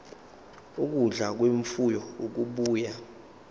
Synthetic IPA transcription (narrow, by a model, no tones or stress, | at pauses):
uk̬uɮak̬weɱfujɔuk̬uɓuːja